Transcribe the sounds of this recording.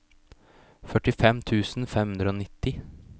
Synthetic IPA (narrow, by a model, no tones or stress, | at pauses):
fœʈɪfɛmt̪ʰʉːsn̩fɛmhʉnd̪ɾəoːnɪt̪ːɪ